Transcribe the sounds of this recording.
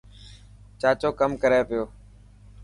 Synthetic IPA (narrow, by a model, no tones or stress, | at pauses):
t͡ʃaːt͡ʃoːkəmkəɾeːpɪjoː